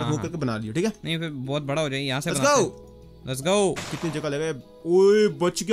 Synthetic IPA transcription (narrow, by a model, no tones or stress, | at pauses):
õːkɐɾkebɐna̰ːlioʈʰiːkɛːnɐɦĩfɪɾbɔːt̪̚bɐɽaɦoːd͡ʒaːejɐɦãsebbɐaa | ɾɐs̬ɡaːokɪt̪nid͡ʒɐɡaleːɡa | oːebɐt͡ʃɡ